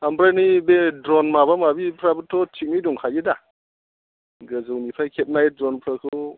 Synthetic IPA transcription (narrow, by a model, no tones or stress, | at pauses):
ambɾajnibedɾɔnmabamabipʰɾabutʰːɔtʰik̚niduŋkʰajida | ɡɯzɯwnipʰajkʰet̚najdɾɔnpʰɾakʰɯɯ